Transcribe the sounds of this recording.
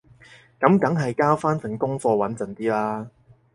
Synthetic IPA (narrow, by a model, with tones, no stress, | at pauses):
kɐ˨˥mkɐ˨˥ŋɦɐ˨jkaː˥wfaː˥nsɪ˨˩ŋkʊ˥ŋfɔː˧wɐ˨˥nt͡sɐ˨nt̪iː˥laː˥